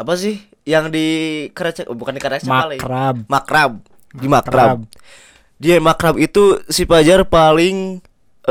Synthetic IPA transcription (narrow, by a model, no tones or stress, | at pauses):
apas̬ɪh | jaŋdikəɾat͡ʃabukandikaɾakt͡ʃaalaɾamakɾab̚ | dimakɾab̚ | diamakɾabit̪usipad͡ʒarpalɪŋ